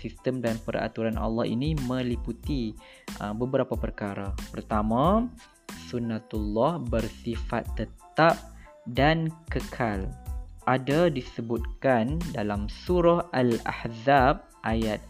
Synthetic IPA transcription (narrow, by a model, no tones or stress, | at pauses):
sist̪əmdanpəɾa̰t̪uɾanʔɑ̰lːɔhḭnimə̃liput̪i | ʔəbəbəɾapapərkaɾapərt̪amã | sunːat̪ulːɔhbərsifa̰t̪ːət̪ap̚ | dankəkʰalʔadadisəbut̪̚kandalamsuɾɔhʔala̰hzab̚ʔajat̪̚